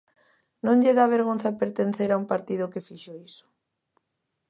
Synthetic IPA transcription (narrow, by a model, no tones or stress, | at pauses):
nõŋʎeðaβ̞eɾɣonθapeɾt̪enθeɾaumpaɾt̪iðʊkefiʃoisʊ̥